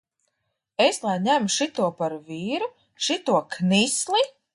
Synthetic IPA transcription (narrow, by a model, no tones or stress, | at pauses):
eslˠajɲʲæmuʃit̪uɔpaɾviːɾu | ʃit̪uɔknislˠi